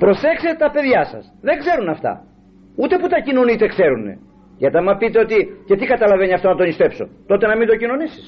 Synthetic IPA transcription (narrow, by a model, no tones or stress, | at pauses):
pɾo̞sekset̪ɐpe̞ðʝɐsɐ̰sðe̞ŋɡze̞ɾunɐft̪ɐ̰ | ut̪e̞put̪ɐcino̞nit̪e̞kse̞ɾune̞̰ | ʝɐt̪ɐmɐpit̪e̞o̞t̪ice̞t̪ikɐt̪ɐlɐve̞niɐft̪o̞nɐt̪onist̪e̞pso̞̰t̪ot̪e̞nɐmind̪o̞cino̞nisi̥s